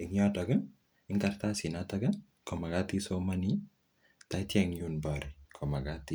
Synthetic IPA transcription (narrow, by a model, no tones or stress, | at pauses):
ɪŋod̪ɐɡɐn | ɪŋkɐɾt̪asinat̪ɐɡɐn | kɔmɐɡat̪isomɐni | t̪ajt̪aŋjunbaɾikʰɔmɐɡat̪i